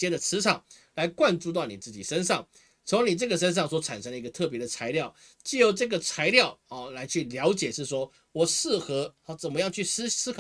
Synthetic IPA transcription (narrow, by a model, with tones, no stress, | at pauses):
jɛ˥d̪ə˨t͡sʰɹ̩˧˥ʈ͡ʂʰɑ˨˩˦ŋla˧˥ɪkwa˥˧nʈ͡ʂu˥˧t̪̬a˥˩ni˨˩t͡sɹ̩˥˩t͡ɕi˨˩ʂə˦nʂɑ˥˩ŋ | t͡sʰo˧˥ŋni˨˩ʈ͡ʂɤ˥˩ɡə˩ʂ̬ə˥nʂ̬ɑ˥˩ŋs̬wɔ˧˥ʈ͡ʂʰa̰˨˩nʂə˥ŋlə˩i˧˥ɡə˧t̪ʰɤ˥˩pjɛ˧˥d̪ə˨t͡sʰa˧˥ɪljɑ˥˨˩ʊ | t͡ɕy˥˩jo˧˩ʊʈ͡ʂɤ˥˩ɡə˩t͡sʰa˧˥ɪljɑ˥˨ʊɔ˥˨˩la˧˥ɪt͡ɕʰy˥˩ljɑ˧˥ʊt͡ɕjɛ˨˩ʂɻ̩˥˩s̬wɔ˥ | wɔ˨˩ʂɻ̩˥˩xɤ˧˥˧t͡sə˨˩nmə˦jɑ˥˧ŋt͡ɕʰy˥˩sɹ̩˥sɹ̩˥k